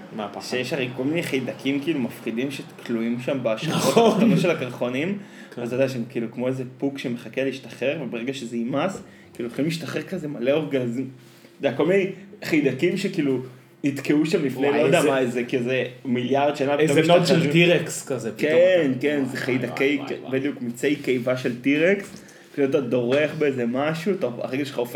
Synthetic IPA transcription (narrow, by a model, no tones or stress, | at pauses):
maaʃejeʃaʁejko̞lminejχejdakʰimkiiːlumafqidimʃekʰluimʃambaaʃʁotanoʃ̬elakaʁχonim | vazodaʃemkiːlukmo̞ezepukʃemeχakeliiʃtaχeʁvebeʁeɡaʃezeimas | kiːluχimliʃtaχeʁkazemaleoʁɡazim | od̪ɛako̞lminejχajd̪akimʃekiːlu | nid̪keuʃamifnelod̪ɛamazekiluzemiljaʁd̪ʃanabeooʃliʁekskazekenkenzeχajdakejbed̪ijukmit͡sejkejvaʃeltiʁeks | latad̪o̞ʁeχbeezemaʃuataa̰ʁeɡaʃe̥aof